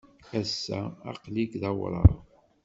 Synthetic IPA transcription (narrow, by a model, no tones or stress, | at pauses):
æsːæ̰ɑ̰qliɡðɑwɾˤɑ̰